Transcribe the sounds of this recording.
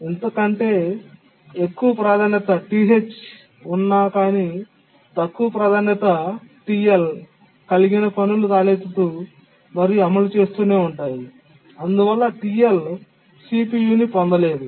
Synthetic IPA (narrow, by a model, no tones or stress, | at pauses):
ent̪ɐkɐɳʈe̞ː | ekːuʋɐpɾaːd̪ʱaːnjɐt̪ɐʈiːɦet͡ʃ | unːaːkaːni | t̪ɐkːuʋɐpɾɐd̪ʱaːnjɐt̪ɐʈiːjel | kɐliɡinɐpʰɐnuluɾaːleːt̪ut̪uː | mɐɾijuɐmɐlut͡ʃe̞ːst̪uːne̞ːuɳʈaːji | ɐnd̪uʋɐlːɐʈiel | siːpijuːnipond̪ɐle̞ːd̪u